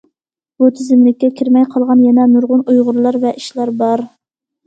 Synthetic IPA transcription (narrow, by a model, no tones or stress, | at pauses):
b̥ut̪ʰɪzɪmlɪk̚ʲːɛkʲʰiɾmɛjqʰɑlˠʁɑnjɛnɛnuɾʁʊnujʁʊɾlˠɑɾvɛʔiʃlæɾbɑɾ